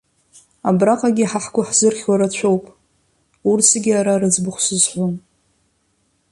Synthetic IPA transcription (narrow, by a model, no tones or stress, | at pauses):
abraqʼaɡʲiħaħkʷʰʼʊħz̥ɨrχʲwaɾat͡ɕʷʰo̞wpʼ | ursʰaɡʲiaɾaɾɨd͡zbɨχʷsɨzħʷon